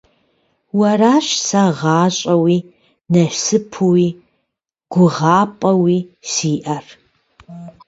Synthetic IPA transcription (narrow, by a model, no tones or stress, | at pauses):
wɐraːʃsɐʁɑːɕʼɐwiː | nɐɕsɨpʰuwiː | ɡ̥ʷʊʁɑːpʼɐwiːsiːʔɐr